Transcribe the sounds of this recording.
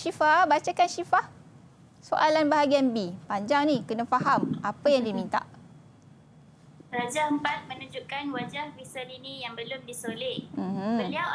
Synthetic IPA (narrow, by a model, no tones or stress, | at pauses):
ʃifabat͡ʃakanʃifah | soʔalanbaɦaɡianbipaɲd͡ʒaŋnĩkənafaɦamapajaŋdimint̪a̰ʔ | rad͡ʒaəmpat̪̚mə̃nud͡ʒuʔkanwad͡ʒahwisalinijaŋbəlʊmdisolem̩m̩əliaw